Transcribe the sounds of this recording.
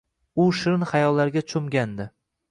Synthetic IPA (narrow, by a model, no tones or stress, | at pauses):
ʊʃɪɾnχajɒlːaɾɡʲat͡ʃʰʊmɡʲand̪ɪ